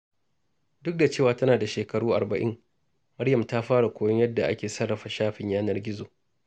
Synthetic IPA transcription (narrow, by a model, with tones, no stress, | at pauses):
dʊ˦k̚da˨t͡ʃeː˦˨waː˨tɐ˦naː˨da˨ʃeː˨kɐ˨ɽuː˦ʔa˨rbɐ˨ʔɪ̰˦ŋ | mɐ˦ɽjɐ˨mta˦ɸaː˦ɽa˨kʷoː˦jɔ˦ɲjɐ˦dːa˨ʔa̰˦kʲeː˨sɐ˦rːɐ˨ɸa˨ʃaː˦ɸɪ˨ɲjaː˦nɐ˦rɡʲɪ˦zoː˨